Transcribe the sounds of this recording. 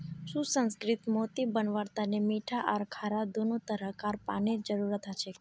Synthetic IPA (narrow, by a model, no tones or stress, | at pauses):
ʃũsə̃nskɾit̪mot̪ibənʋəɾt̪anemiʈʰaʔaɾkʰaɾad̪onot̪əɾəkaɾpaned͡ʒəɾuɾət̪ʰat͡ʃʰe